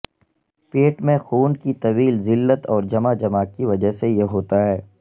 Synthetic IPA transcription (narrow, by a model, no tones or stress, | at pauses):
peːʈmẽxuːnkit̪ɐʋiːlzɪlːət̪ɔːɾd͡ʒɐmad͡ʒɐmaːkkːiʋɐd͡ʒəɦsejeɦoːt̪aɦɛː